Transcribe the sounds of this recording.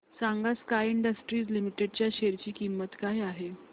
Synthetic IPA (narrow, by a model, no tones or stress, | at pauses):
saŋɡaskajiɳɖəsʈɾiːd͡zlimiʈeɽt͡ɕjaɕeɾt͡ɕiːkimːət̪kajaɦe